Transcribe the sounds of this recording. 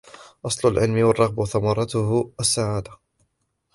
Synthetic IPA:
ʔɑsˤlʊlʕɪlmɪwɑrˤːɑɣbʊθamɑɾˤɑt̪ʊhʔasːaʕaːd̪a

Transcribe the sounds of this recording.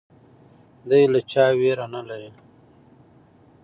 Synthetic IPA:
d̪ajlat͡ʃaːweɾanalaɾi

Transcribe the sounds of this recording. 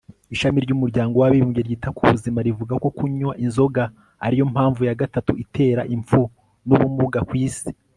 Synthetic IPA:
iʃamiɾɟumuɾɟaːŋɡo̞waβiβimɟeɾɟiːtakuβuzimaɾivuɡako̞kuɲwaʔinzo̞ɡa | a̰ɾijo̞mhaːɱvujaɡatatuʔitʰe̞ːɾa̰ʔiɱfu | nuβumuɡakwiːsi̥

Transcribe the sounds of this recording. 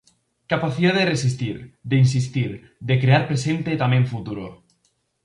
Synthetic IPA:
kapaθiðaðeresist̪iɾd̪eins̬ist̪iɾ | d̪ekɾeaɾpɾesent̪et̪ameɱfut̪uɾo̰

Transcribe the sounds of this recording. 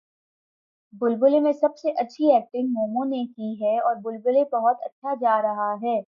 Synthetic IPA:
bʊlbʊlemẽsɐbseʔɐtːʃʰiɛːk̚ʈɪ̃ŋɡmoːmõnekiɦɛɔːɾbʊlbʊlebɐɦɔt̪ɐ̰tːʃʰad͡ʒaːɾɐɦaɦɛː

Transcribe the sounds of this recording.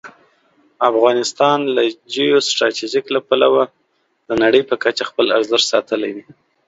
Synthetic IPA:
afɣɑnɪst̪ɑnlad͡ʒijosʈɾɑt̪iʒiklapalawa | d̪ənaɽəjpəkat͡ʃaxpəlaɾzəɾsɑt̪əlajd̪i

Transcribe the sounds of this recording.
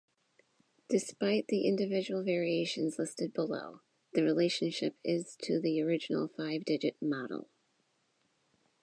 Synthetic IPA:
d̥ɨspaɪt̪̚ðiʔɪ̃ndɨvɪd͡ʒɨwl̩ˠvɛɹieɪʃɨ̃nzlɪstɨd̚bəlo̰ʊ | ðɨɹileɪʃɨ̃nʃɪ̰pɪz̥tʰɨðiə˞ɪd͡ʒɨn̩l̩ˠfaɪvdɪd͡ʒɨt̚mɑɾl̩ˠ

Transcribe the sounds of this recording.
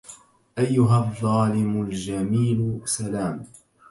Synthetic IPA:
ʔajːʊɦaðˤːɑːlɪmʊld͡ʒamiːlʊsalaːm

